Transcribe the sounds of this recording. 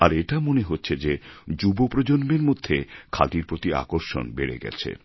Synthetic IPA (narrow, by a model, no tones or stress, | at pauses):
aɾeʈamoneɦotːɕʰed͡ʑed͡ʑubopɾod͡ʑonbeɾmod̪ʱːekʰa̰d̪iɾpɾot̪ia̰koɾʃo̰nbeɾḛɡɛ̰t͡ɕʰḛ